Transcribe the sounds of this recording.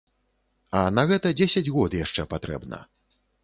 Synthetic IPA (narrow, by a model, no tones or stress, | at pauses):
ɐnɐɣɛt̪ɐd͡zʲesʲɐd͡zʲɣɔd̪jaʂt͡ʂɛpat̪ɾɛ̰bnɐ̰